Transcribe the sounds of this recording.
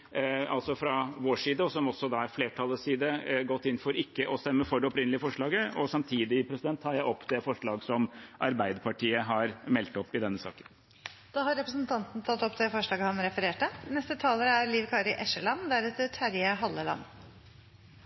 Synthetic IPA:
ɑ̰lt̪sɔfɾɑʋoːʂiːd̪əɔsɔmɔsːɔd̪ɑæɾfleːʈʰɑlːəsiːd̪əɡɔt̪ːɪnːfɔɾɪkːəʔɔst̪ɛmːəfɔɖɛɔpɾɪnəlɪəfɔʂɭɑːɡəɔsɑmt̪ʰiːd̪ɪpʰɾɛsɪd̪ɛnt̪ʰːɑːɾjæɪɔpːd̪ɛfɔʂɭɑːɡsɔmʔɑɾbæɪd̪əɾpɑʈʰiːəɦɑɾmɛlt̪ɔpːɪd̪ɛnːəsɑ̰ːkə̥n | d̪̥ɑːhɑɾɛpɾəsnt̪ʰɑnt̪n̩t̪ʰɑt̪ːɔpːd̪ɛfɔʂɭɑːɡəhɑnɾɛfəɾeːʈənɛst̪ət̪ʰɑːləɾəæɾliːʋkʰɑːɾɪʔɛʂəɭɑnd̪æɾʉːt̪əʈʰæɾjəɦɑlːəlɑ̰nː

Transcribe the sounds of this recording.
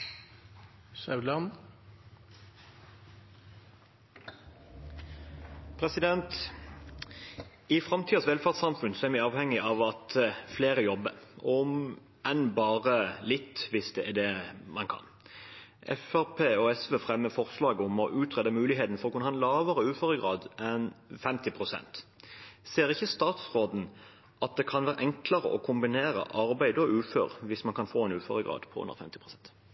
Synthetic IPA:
sɑʉlɑn | pʰʁɛsɪd̪ɛnt̪ | ɪfʁɑmt̪ʰiːɑsʋɛlfæʁt̪sɑmfʉnsɔæɾmæɑːʋhɛŋːɪʔɑʋɑt̪fleːʁəjɔbːəɔm | ɛnbɑːʁəlɪt̪ːʋɪsd̪ɛæd̪ɛmɑnkʰɑ̰n | ʔɛ̰fæʁpʰeːɔɛsʋeːfʁɛmːəfɔʁslɑːɡəʊmɔʔʉːt̪ʁɛd̪əmʉːlɪɦeːt̪n̩fɔʁɔkʉnəhɑɛnlɑːʋəɾəʉːføːɾəɡʁɑːd̪ɛnfɛmt̪ɪpʰʁʊsɛ̰nt̪seːɾɪçːəst̪ɑːt̪sʁoːd̪n̩ | ʔɑt̪̚d̪ɛkʰɑnʋæːɾʔɛŋkləɾə̰ʔɔkʰʊmbɪneːɾə̰ʔɑɾbæɪd̪ɔʉːfø̰ːɾʋɪsmɑnkʰɑnfoːɛnʉːføːɾəɡʁɑ̰ːd̪pʰɔ̰ʉ̰nə̰ʁfɛmt̪ɪpʁʊsɛnt̪

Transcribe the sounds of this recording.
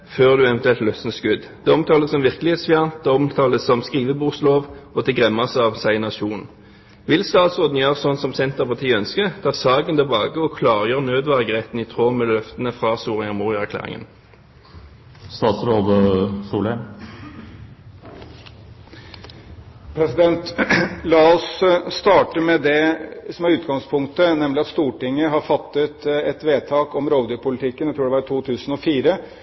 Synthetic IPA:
føːʁd̪ʉːɛʋənt̪ʉɛlt̪lœsn̩əskʉd̪d̪̥ɛːɔmt̪ʰɑːləsɔmʋɪʁkəlɪheːt̪sfɪɑnt̪̚d̪ɛːɔmt̪ʰɑːləsɔmskʁiːʋəbuːsloːʋɔt̪ʰɛɡʁɛmɑsəɑʋsæɪnɑʃuːn | ʋɪlst̪ɑːt̪sʁoːd̪n̩jøːʁəsɔnsɔmsɛnt̪əʁpɑʁt̪ʰiːəœnskət̪ʰɑːsɑːɡənt̪ʰɛlbɑːɡəɔkʰlɑːʁjøːʁnøːd̪ʋæʁɡʁɛt̪n̩iːt̪ʰʁoːmeːlœft̪ənəfʁɑsuːʁɪɑʁmuːʁɪɑæʁklæ̰ːʁɪ̰ŋə̰n | st̪ɑːt̪sɾoːʋəsuːlɛ | pʰɾɛsɪd̪ɛnt̪lɑːʊsst̪ɑːʈəmɛd̪ɛsɔmæɾʉːt̪ɡɑŋspʰʊŋkt̪ənɛmlɪɑt̪st̪uːʈɪŋːəɦɑɾfɑt̪ːət̪ɛt̪ʋeːt̪ʰɑːkɔmɾoːʋd̪əpʰʊlɪt̪ʰɪkːənjæɪt̪ʰɾuːɖɛʋɑɾt̪ʰuːt̪ʰʉːsn̩ɔfiːɾə

